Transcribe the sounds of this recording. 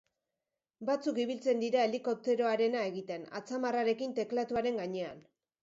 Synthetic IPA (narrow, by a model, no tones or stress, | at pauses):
bat͡sukiβ̞ilt͡se̞nd̪iɾae̞liko̞p̚t̪e̞ɾo̞aɾe̞nae̞ɣit̪e̞na̰t͡samaraɾe̞kint̪e̞klat̪uaɾe̞ŋɡaɲe̞a̰n